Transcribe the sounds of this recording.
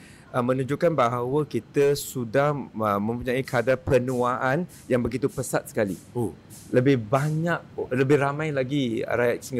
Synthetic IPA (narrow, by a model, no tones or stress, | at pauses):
əmə̃nũd͡ʒukanbaɦawəkit̪əsudahəmə̃mpuɲãikadapənũaʔan | jaŋbəɡit̪upəsat̪̚sə̥kalḭ | ləbɪhbaɲaʔ̚ləbɪhɾamãjlaɡḭɾajat̪siŋɡ